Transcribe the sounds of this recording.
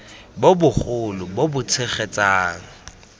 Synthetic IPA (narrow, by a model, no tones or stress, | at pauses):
bobʊχʊlʊbobʊt͡sʰɪχet͡saːŋ̩